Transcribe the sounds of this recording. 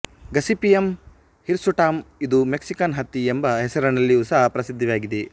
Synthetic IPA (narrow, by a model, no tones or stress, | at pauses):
ɡɐsipijɐm | hiɾsuʈaːmid̪umeksikɐnɦɐt̪ːiembɐɦɛsɐɾɐnɐlːiusɐɦɐpɾɐsid̪ʱːɐʋaːɡid̪e